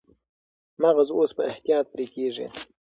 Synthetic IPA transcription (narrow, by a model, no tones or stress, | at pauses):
maɣazospəɪht̪ijɑːt̪̚pɾekeʐḭ